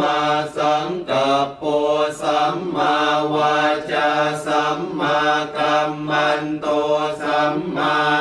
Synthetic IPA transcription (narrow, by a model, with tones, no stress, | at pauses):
a˧sə˧˦ŋkə˨˩po˧sa˧˦˥mːa˧wa˧t͡ɕa˧sa˧˦˥mːa˧ka˧mːa˧nt̪o˧sa˧˥mːa˧